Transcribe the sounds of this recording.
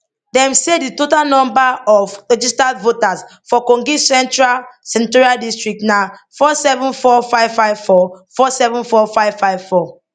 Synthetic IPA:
dɛ̃mseditotalnɔ̃mbaɔvɹɛd͡ʒistavotasfɔkɔ̃ŋɡisɛ̃ntɹalsɛ̃ntuɹialdistɹik̚tnafɔsɛvɔ̃nfɔfaɪvfaɪvfɔfɔsɛvɔ̃nfɔfaɪv̥faɪvfɔ

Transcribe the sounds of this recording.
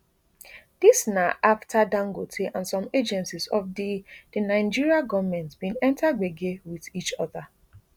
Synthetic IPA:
d̥isnaʔaftʰadãŋɡotʰeʔãnsɔ̃med͡ʒɛ̃nsisɔfdid̥ənãɪ̃nd͡ʒiɹiaɡɔvmɛ̃ntbĩnɛ̃ntʰaɡ͡beɡewiðit͡ʃɔða

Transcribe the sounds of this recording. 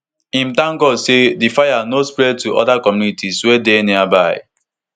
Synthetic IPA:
ĩm̩tãŋkɔsedifajanospɾɛd̚tuʔɔ̰dakɔmjunitiswedeniabaɪ̰

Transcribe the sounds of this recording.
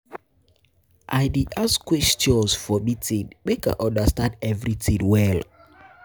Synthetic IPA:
ʔajdiʔaskwɛstɔ̃nsfɔmitĩnmeka̰ʔɔ̃ndastãndɛvɹitʰinwɛl

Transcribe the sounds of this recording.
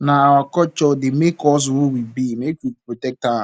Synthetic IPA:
naawakɔt͡ʃɔdɪmekɔs̬wowibimekʷupɾotɛk̚ta

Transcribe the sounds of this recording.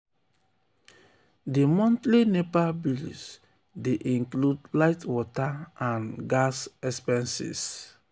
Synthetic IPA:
dimɔ̃ntlinepalbilḭs | deʔĩŋkludlaɪtwɔtaãnɡasɛspɛ̃nsḭs

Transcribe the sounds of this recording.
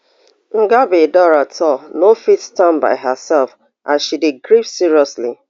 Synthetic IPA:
ŋ̩ɡabedɔɹatʰɔnofitstãnba̰ɪɦəsɛlf | ʔãʃideɡɾifsiɹiɔsli

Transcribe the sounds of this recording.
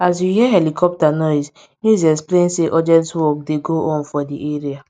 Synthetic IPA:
as̬juhiɛɦɛlikʰɔp̚tanɔs | nizɛsplẽnseʔɔd͡ʒɛ̃ntwɔkdeɡoʔɔ̃nfɔdiʔeɹia

